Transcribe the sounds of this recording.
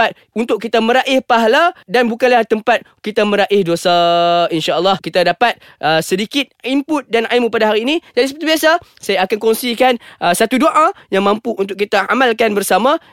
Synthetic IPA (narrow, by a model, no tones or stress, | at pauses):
at̪̚ | unt̪ʊʔ̚kːit̪amə̃ɾaʔɪhpaɦaladanbukanlaht̪əmpat̪̚kit̪aməɾaʔɪhdosainʃaəlːɑhkit̪adapat̪̚ | ʔəsədikɪt̪̚impʊt̪̚danaimupadaɦaɾiːnĩd͡ʒadisəpət̪ubiasa | sajaːkankoŋsikanʔəsat̪udoʔajaŋmãmpuunt̪̬ʊʔkit̪aa̰malkanbərsamã